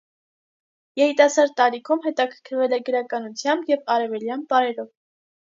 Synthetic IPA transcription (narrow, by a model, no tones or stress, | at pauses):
jɛɾit̪ɑsɑɾd̪̚t̪ɑɾikʰumɦɛt̪ɑkʰə̥ɾkʰəɾvɛlɛɡəɾɑkɑnut͡sʰjɑmbjɛvɑɾɛvɛljɑnpɑɾɛɾɔv